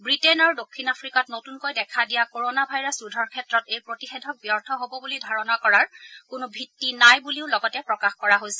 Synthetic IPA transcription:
bɹitenaɹudokʰːinapʰɹikɔtnotunkojdɛkʰadijakoɹonabʱajɹasudʱɔɹkʰɛtːɹɔtejpɹotixedʱɔk̚bijɔɹtʰɔɦobɔbulidʱaɹɔnɔkɔɹaɹkʊnʊbʱitːinajbuliʊlɔɡɔtɛpɹɔkaxkɔɹaɦojsɛ

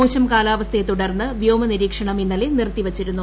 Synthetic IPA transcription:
oːɕɐmkaːlaːʋɐst̪ʰet̪uɽɐrnːɨʋjoːmɐniɾiːkʂɐɳɐminːɐlenirt̪ːiʋɐt͡ɕːiɾunːu

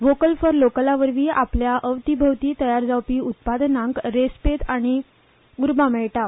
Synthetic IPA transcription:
ʋokəlfəɾlokəlaʋəɾʋiːapljaʔəʋt̪ibʱəʋt̪iːt̪əjaɾd͡zawpiːut̪̚pad̪nãŋkɾespet̪aɽ̃i | ɡuɾbamɛɭʈa

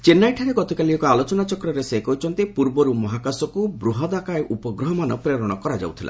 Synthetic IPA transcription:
t͡ʃenːajʈʰaɾeɡɔt̪ikaliɔkɔalot͡ʃɔnat͡ʃɔkɾɔɾesekɔɦut͡ʃʰɔnt̪ipuɾbɔɾumɔɦakasɔkubɾuɦɔd̪akaeʔupɔɡɾɔɦɔmanɔpɾeɾɔɽ̃ɔkɔɾad͡ʒa̰wt̪ʰilʔa̰

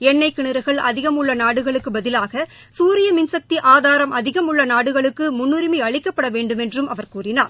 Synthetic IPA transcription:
ɛɳːɐɪkːɪɳɪɾɐɣɐɭɐ̰ðɪɣɐmʊɭːɐnaːɽɯɣɐɭɯkːɯbɐðɪlaːɣɐ | suːɾɪjɐmɪnsɐk̚t̪iʔaːðaːɾɐmʔɐðɪɣɐmʊɭːɐnaːɽɯɣɐɭɯkːɯmʊnːʊɾɪmiɐɭɪkːɐpːɐɽɐʋeːɳɖɯmɛndrɯmɐʋɐɾkuːrɪnaːɾ

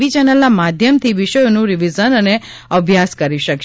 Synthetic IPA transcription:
ʋit͡ʃɛnəlnamad̪ʱjəmt̪ʰiʋiʃəjonũɾiʋizənəne | əbʱjaskəɾiʃəkʃ

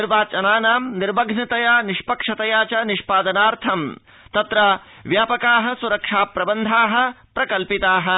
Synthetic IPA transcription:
iɾbaːt͡ʃɐnaːnaːmniɾbɐɡʱnɐt̪ɐjaːniʃpɐkʂɐt̪ɐjaːt͡ʃɐniʃpaːd̪ɐnaːɾt̪ʰɐm | t̪ɐt̪ɾɐ | ʋjaːpɐkaːɦɐ̆suɾɐkʂaːpɾɐbɐnd̪ʱaːɦɐ̆ | pɾɐkɐlpit̪aːɦɐ̆

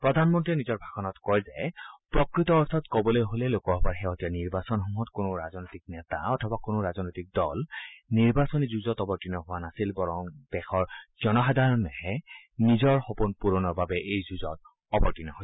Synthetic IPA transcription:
pɹɔd̪ʱanmɔntɹiɛnizɔɹbʱaxɔnɔtkɔjzɛpɹɔkɹitɔːstʰɔtkɔbɔlojɦolɛlokɔɦbaɹxɛɦɔtianiɹbasɔnxɔŋɦɔtkonoɹazɔnojtik̚nɛt̪a̰ɔtʰɔbakonoɹazɔnojtik̚dɔlniɹbasɔnizuzɔtɔbɔɹtinɔɦʊwanasilbɔɹɔŋd̥ɛxʰɔɹz̥ɔnɔxadʱaɹɔnːɛhɛ | nizɔɹxopunpuɹɔnɔɹbabɛʔejzuzɔt | ɔbɔɹtinɔɦo

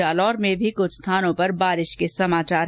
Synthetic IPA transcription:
aːlɔːɾmẽbʱikʊt͡ʃʰst̪ʰaːnõpɐɾbaːɾɪʃkesɐmaːt͡ʃaːɾ

